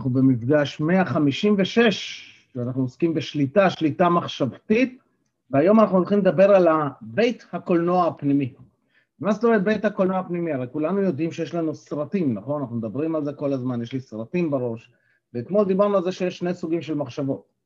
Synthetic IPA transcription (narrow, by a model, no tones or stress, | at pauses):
naχnube̞mifɡaʃme̞aχamiʃimveʃe̞ʃ | veanaχnuoskimbeʃlit̪aʃlit̪amaχʃavt̪it̪̚ | veajo̞manaχnuolχimled̪abe̞ʁalabe̞jt̪hako̞lnoaːpnimi | vmaset̪oʁet̚be̞jt̪hako̞lno̞apnimiaʁejkulanujo̞d̪imʃejeʃlanusʁat̪imnaχnanaχnumed̪abʁimalze̞ko̞lazmanjeʃlisʁat̪imbeʁo̞ʃ | vekmod̪ibaʁnualze̞ʃejeʃne̞jsuɡimʃe̞lmaχʃavo̞t̪̚